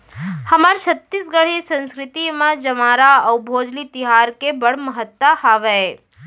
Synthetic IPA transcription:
həmaːɾt͡ʃʰət̪ːisɡəɽ̤isə̃nskɾɪt̪imãd͡ʒəmaːɾaɐwbʱoːd͡ʒlit̪ɪɦaːɾkebəɽ̤məɦət̪ːahaːʋɛ

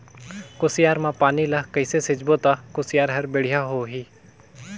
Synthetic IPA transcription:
kʊsɪjaːɾmãːpaːniːlaːkəɪseːsɪd͡ʒboːt̪aːkʊsɪjaːɾɦəɾbeɽ̤ɪjaːɦoːɦiː

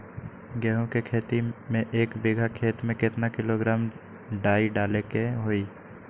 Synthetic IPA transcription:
ɡɛːɦõkekʰeːt̪imẽʔeːkbɪɡʱakʰeːt̪mẽkɪt̪nakɪloɡɾaːm | ɖaːiɖaːlekeɦoːiː

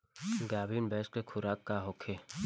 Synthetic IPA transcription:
ɡaːbiːnbɛːskekʰʊɾaːkːaɦokʰeː

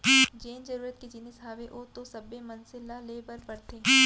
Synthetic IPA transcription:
d͡ʒeːnd͡ʒɐɾuːɾət̪̚ked͡ʒinɪsɦaːʋeʔoːt̪osɐbemɐnsɪlaleːbɐɾpɐɽt̪eː

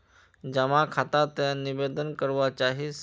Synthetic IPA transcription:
d͡ʒəmãkʰat̪at̪jãniʋed̪ənkəɾʋat͡ʃaɦis

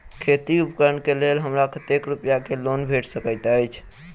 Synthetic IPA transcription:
kʰet̪iupəkəɾəɳkelelɦəmɾakət̪ekɾupjakelonbʱeʈʰsəkəɪt̪əjt͡ʃʰ

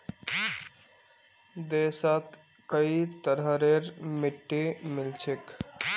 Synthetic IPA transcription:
d̪esət̪ | kəit̪əɾəɾeɾmiʈːemɪlt͡ʃʰek

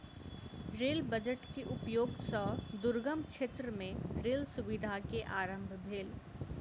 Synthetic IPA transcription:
ɾeːlbəd͡ʒəʈkeʔʊpjoːɡsɔːd̪ʊɾɡəmkʃeːt̪ɾəmẽɾeːlsʊʋɪd̪ʱakeʔaːɾə̃mbʱbʱeːl

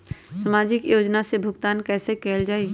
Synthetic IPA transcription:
səmaːd͡ʒɪkjoːd͡ʒnasebʱʊɡt̪aːnkɛːsekɛːld͡ʒaːi

